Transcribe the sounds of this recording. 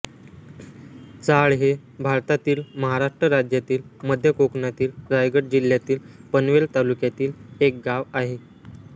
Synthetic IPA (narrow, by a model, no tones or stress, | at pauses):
t͡saɭɦe | bʱaɾt̪at̪iːlməɦaɾaʂʈɾəɾad͡ʑjat̪iːlməd̪ʱjəkoknat̪iːlɾajɡəʈ̚d͡ʑilːjat̪iːlpənʋelt̪alukjat̪iːlek̚ɡaʋaɦe